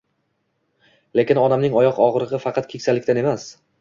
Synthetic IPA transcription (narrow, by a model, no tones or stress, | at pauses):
le̞kʲɪnɒnamnɪŋɒjɒqɒʁɾɨʁɨfɑqʰɑt̪̚kʰʲe̞kʲsalɪkʲt̪ane̞mas